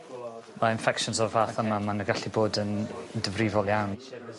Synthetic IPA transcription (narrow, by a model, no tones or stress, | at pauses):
maɪnfɛkʃɔnzɔvaːθəmamanəɡaɬiboːdəndəvrivɔlˠjawn